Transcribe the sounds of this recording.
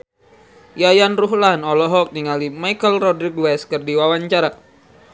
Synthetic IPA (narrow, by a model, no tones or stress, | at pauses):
jajanruɦlanɔlɔɦɔk̚niŋalimajkəlrɔdɾiɡwɛskərdiwawaɲt͡ʃaɾa